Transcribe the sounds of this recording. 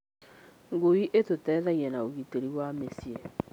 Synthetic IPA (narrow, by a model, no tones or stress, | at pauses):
ŋɡoiʔetotɛːðɛɣiɛnaoɣiteɾiwamesiɛ